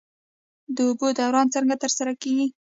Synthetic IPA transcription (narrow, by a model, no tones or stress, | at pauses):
d̪əʊbod̪awɾɑnt͡səŋɡat̪əɾsaɾakeɡi